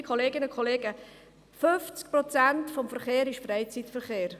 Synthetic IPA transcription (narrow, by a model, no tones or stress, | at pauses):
kʰoleːɡɪnʊkʰχoleːɡə | føft͡sk̚pɾɔt͡sæntfɔmfəɾχeːɾɪʃfrɛɪt͡sitfəɾχeːɾ